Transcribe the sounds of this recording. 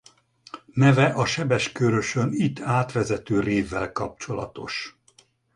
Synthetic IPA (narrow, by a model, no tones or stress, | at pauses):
nɛvɛʔɒʃɛbɛʃkøɾøʃønit̪ːaːt̪ʋɛzɛt̪øːreːvːɛlkɒp̚t͡ʃo̞lɒ̰t̪o̞ʃ